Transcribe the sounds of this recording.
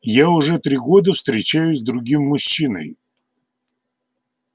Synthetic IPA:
jaʊʐɛt̪ɾʲiɡo̞d̪əfst̪ɾʲɪt͡ɕæjʊsʲzd̪ɾʊɡʲimːʊɕːinə̰j

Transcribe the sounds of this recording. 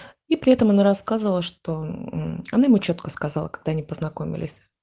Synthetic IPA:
ipɾʲɪɛt̪əmɐnaɾɐskazəvəlˠəʂt̪o̞ | ɐnajɪmut͡ɕo̞t̪kəskɐzalˠəkɐɡ̚d̪aɐnʲipəznɐko̞mʲɪ̰lʲɪ̰sʲ

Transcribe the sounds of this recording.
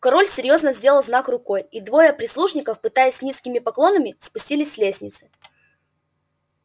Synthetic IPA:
kɐɾolʲsʲɪɾʲjo̞znəzʲdʲe̞lˠəlˠznakrʊko̞jid̪vo̞jəpɾʲɪslˠuʂnʲɪkəfpɨt̪ajɪsʲnʲiskʲɪmʲɪpɐklˠo̞nəmʲɪspʊsʲtʲilʲɪsʲːlʲesʲnʲɪt̪sɨ

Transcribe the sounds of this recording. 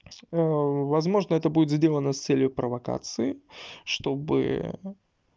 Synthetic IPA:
vɐzmo̞ʐnəɛt̪əbudʲɪt̪zʲdʲe̞lˠənəst̪sɛlʲjʊpɾəvɐka̰t̪sɨɪʂt̪o̞bɨ̰

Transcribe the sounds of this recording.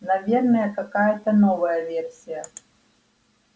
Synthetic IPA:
nɐvʲernɐjəkɐkajɐt̪ɐnovɐjɐvʲersʲijə

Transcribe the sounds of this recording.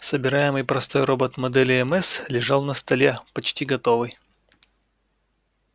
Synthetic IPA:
səbʲɪɾajɪmɨjpɾɐst̪o̞jɾo̞bət̪mɐd̪ɛlʲɪɛmɛslʲɪʐɑlˠnəst̪ɐlʲepɐt͡ɕtʲiɡɐt̪o̞vɨj

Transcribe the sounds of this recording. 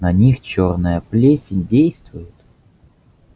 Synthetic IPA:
nɐnʲixt͡ɕornəjəplʲesʲɪdʲejst̪vʊjɪt̪

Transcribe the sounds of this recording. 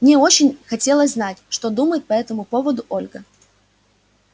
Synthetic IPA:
mnʲeo̞t͡ɕɪnʲxɐtʲe̞lˠəsʲznatʲʂt̪o̞d̪uməjɪt̪̚pɐɛt̪əmʊpo̞vəd̪ʊʔo̞lʲɡə

